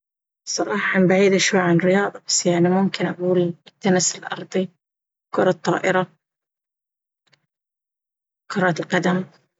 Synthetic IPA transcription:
sˤɑɾˤɑːħɑmbaʕiːd̪ʔaʃwajʕanɾɪjɑːðˤɑbḁsjaʕnimʊmkɪnʔaɡuːlt̪ːanɪsɪlʔɑ̰ɾˤd̪ˤi | kʊɾˤɑt̪ˤːɑ̰ːʔɪɾa | kʊɾˤɑt̪ɪlqɑd̪am

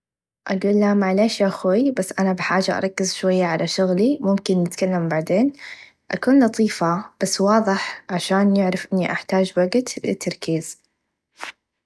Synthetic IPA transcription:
ʔaɡuːlːamaʕleːʃjaxajbasːʔanabɪħaːd͡ʒaʔɑ̰ɾˤɑkːɪzʃwajːaʕalʔaʃʊɣlimʊmkɪnːɪt̪kalːambaʕd̪eːn | ʔa̰kuːnlɑt̪ˤiːfab̥asːwɑːðˤɨħʕaʃaːnjɪʕɾɪfʔɪnːiʔaħt̪aːd͡ʒwaɡt̪lɪ̰t̪ʰːɑɾˤkiːz̥

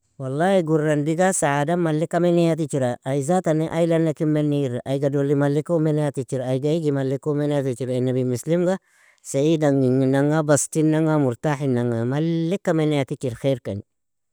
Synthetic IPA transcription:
walːahiɡurːandiɡasaʕadamalːikːamenɛjat̬it͡ʃiɾaːjzataniʔajlanːakimeniɾʔajɡadolːimalːikomenɛjatit͡ʃiɾaːjɡaiɡimalːikomɛneatit͡ʃiɾaenabimuslimɡa | seidaŋɡiŋinaŋabastinaŋamuɾtaħinaŋamalːikːamenejatit͡ʃiɾxeɾka̰n

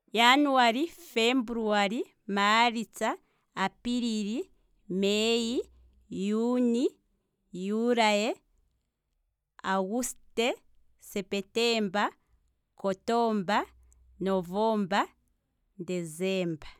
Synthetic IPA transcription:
januwaɾifembuɾuaɾi | maɾit͡saː | piɾiɾi | meji | juni | juɾaje | aɣuste | sepeteːmba | kotoːmba | novoːmba | dezeːmba

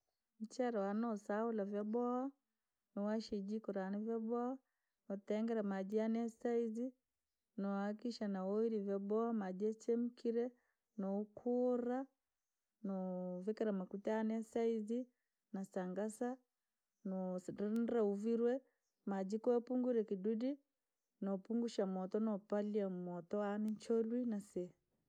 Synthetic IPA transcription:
m̩t͡ʃaɾawanɔsaulavjabɔa | nuwaʃid͡ʒikɔɾaːnɛvjabɔa | ɔtɛŋɡɛɾamad͡ʒianɛsaizi | nɔakiʃanawɔiɾivjabɔamad͡ʒɛt͡ʃɛm̩kiɾɛ | nɔkʰuɾa | nɔvikaɾamakutɛanɛsaizi | nasaŋɡasa | nɔnɾauviɾwɛ | mad͡ʒikɔɛpuŋɡuɾɛkidudi | nɔpuŋɡuʃamɔtɔnɔpaliamɔtɔanɛt͡ʃɔlwinasɛ

